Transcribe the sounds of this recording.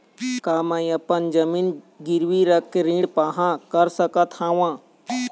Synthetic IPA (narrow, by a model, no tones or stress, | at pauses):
kaːmãĩɐpənd͡ʒɐmiːn | ɡɪɾwiɾəkːeɾĩːɽpaːɦãkɐɾsəkət̪hãːwãː